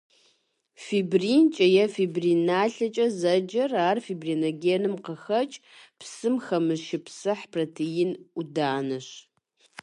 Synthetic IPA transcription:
fibriːnt͡ʃʼɐjɛfibriːnaːɬɐt͡ʃʼɐzɐd͡ʒɐraːrfibriːnoɡʲeːnɨmqəxɐt͡ʃʼpsɨmxɐmɨʃɪpsɨħpʰrɐtʰɪjɪnudaːnɐɕ

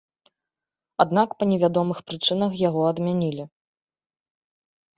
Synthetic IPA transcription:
ad̪nakpɐnʲɛvʲad̪ɔmɨxpɾɨt͡ʂɨnɐxjaɣɔɐd̪mʲanʲilʲi

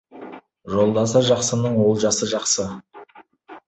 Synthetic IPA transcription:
ʒo̞lˠd̪ɑs̬ɑʒɑqsənəɴwo̞lˠʒɑsəʒɑqsə

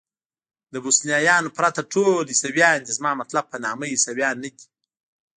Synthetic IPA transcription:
d̪əbosnijɑjɑnopɾat̪aʈʰolisawjɑnd̪izmɑːmat̪lab̚panɑməisawjɑnːədi̥

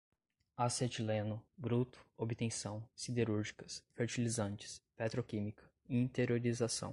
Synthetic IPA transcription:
aset͡ʃilẽnʊbɾut̪ʊ̥obit̪ẽsɐ̃w̃sid̪eɾuɾʒikɐsfeɾt͡ʃilizɐ̃nt͡ʃɪ̥spɛt̪ɾokĩmikɐ̥ | ĩt̪eɾoɾizasɐ̰̃w̃

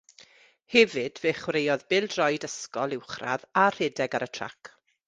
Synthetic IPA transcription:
hɛvɨd̥veːχwɾejɔðbɪlˠdrɔjdəskɔlˠɪwχra̰ðar̥ɛdɛɡaɾətʰra̰k

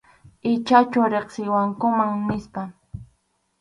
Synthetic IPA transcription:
ɪt͡ʃat͡ʃʊɾeχsɪjwaŋkʊmaŋnɪspa

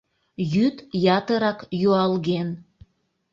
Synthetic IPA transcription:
jyt̪jɑt̪əɾɑkjuɑlɣen

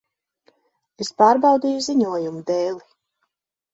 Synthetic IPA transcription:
espaːɾbɑwd̪iːjuziɲuɔjumud̪ɛːlˠi

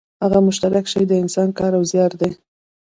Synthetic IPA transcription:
haɣamʊʃt̪aɾakʃajd̪əɪnsɑnkɑɾawzjɑɾd̪e

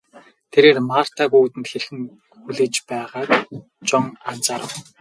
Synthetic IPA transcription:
t̪ʰeɾeːrmar̥t̪akuːt̪ɘ̆nt̪xeɮxɘ̆ŋ | xuɮeːt͡ɕpæːʁaːk | t͡ɕɔŋan̥t͡saːɾə̆w

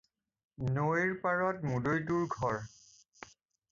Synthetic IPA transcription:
noeɹpaɹɔtmudojtuɹɡʱɔɹ

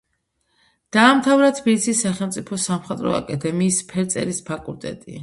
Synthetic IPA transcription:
d̪̥aːmt̪ʰavɾat̪ʰbilit̪sʰisːaχɛlˠmt̪sʼipʰɔsamχɛt̪ʼɾɔ̰a̰kʼad̪ʰɛmiːspʰɛɾt̪sʼɛ̰ɾispʰakʼulˠt̪ʼɛ̰t̪ʼi

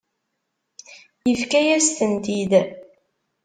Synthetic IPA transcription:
jəfkæjæst̪ənt̪id̪

